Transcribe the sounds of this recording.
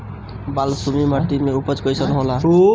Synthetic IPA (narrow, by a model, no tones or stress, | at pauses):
balsumimaʈ̪imeupʌt͡skʌjsʌnuɦolau